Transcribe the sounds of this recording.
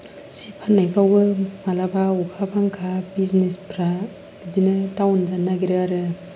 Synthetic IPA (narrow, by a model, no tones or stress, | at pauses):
sipʰanajpawbɯmalabaukʰapʰaŋkʰabiznespɾa | bid͡ʒinɯtawnd͡ʒanːaɡiɾɯaɾɯ